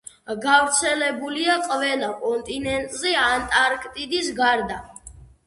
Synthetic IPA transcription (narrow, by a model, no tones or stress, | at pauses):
ɡavɾt̪sʰɛlɛbuliaqʼvɛlakʼɔnt̪ʼinɛnt̪ʼzɛant̪ʼaɾkʰʼt̪ʼid̪isɡaɾd̪a